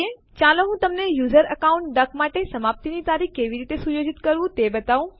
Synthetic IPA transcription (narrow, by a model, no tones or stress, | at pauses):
e | t͡ɕalõɦũt̪ɐmnejuːzəɾɐkaũɳʈ̚ɖɐkmaːʈesɐmaːp̚t̪init̪aːɾikkːeːʋiɾiːt̪esujoːd͡ʑɪt̪kəɾʋũt̪ebət̪aːʋũ